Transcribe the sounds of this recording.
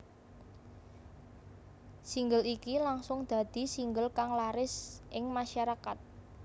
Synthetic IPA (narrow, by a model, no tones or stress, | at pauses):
siŋɡəlikilaŋsʊŋd̪̥a̤d̪̥i̤siŋɡəlkaŋlaɾɪsʔɪŋmaʃaɾakat̪̚